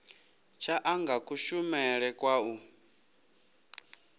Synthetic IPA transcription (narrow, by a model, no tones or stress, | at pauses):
t͡ʃʰaʔaŋɡakʰʼuʃumɛɺɛkʼwau